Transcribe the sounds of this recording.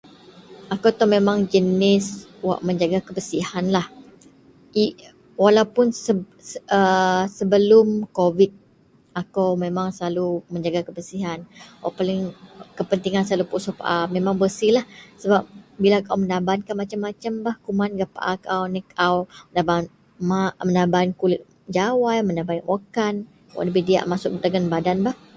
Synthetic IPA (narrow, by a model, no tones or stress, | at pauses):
akawt̪ɔmemaŋd͡ʒənɪswa̰ʔməɲd͡ʒaɡakəbəsihanlah | ʔi | walaupʊnsə | əsəbəlʊmkovit̪̚ | akawmemaŋsəlaluməɲd͡ʒaɡakəbəsiɦanwa̰ʔpalɪŋkəpənt̪iŋansalupuʔsopa̰ʔamemãŋbəsilahsəbap̚bilakauwmənabankanmat͡ʃamːat͡ʃambahkumanɡaʔpa̰ʔakawnikawənaban | mamənabankuliʔ̚ | d͡ʒawajmənabainwʔokan | wa̰ʔləbihdia̰ʔmasʊk̚dəŋanbadanbah